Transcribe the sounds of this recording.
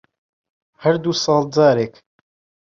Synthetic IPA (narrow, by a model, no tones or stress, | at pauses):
həɾd̪uːsɑːld͡zaːɾeːk